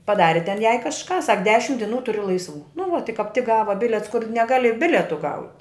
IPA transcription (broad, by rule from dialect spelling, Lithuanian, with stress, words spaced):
pɐˈdɑːrʲɪ tʲɛn jɛɪ kɐʃˈkɑː sɐk ˈdʲæːʃʲɪm dʲɪˈnuː ˈtʊrʲɪ lˠɐɪsˈʋuː nʊ ʋɐ tʲɪ kɐp tʲɪk ˈɡɑːʋɐ ˈbʲɪlʲiɛts kʊr nʲɛˈɡɑːlʲɪ ˈbʲɪlʲɛtʊ ɡɐʊtʲ